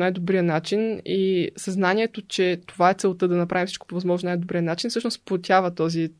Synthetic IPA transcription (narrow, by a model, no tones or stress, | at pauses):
najd̪obɾiənat͡ʃinisɐznanʲiɛt̪ot͡ʃɛt̪ovaɛt̪sɛlˠt̪ɤd̪ɐnɐpɾavimfsit͡ʃko̥povɐzmɔʒnonajd̪obɾiənat͡ʃinifsɤʃnospot̪ʲavɐt̪ɔzi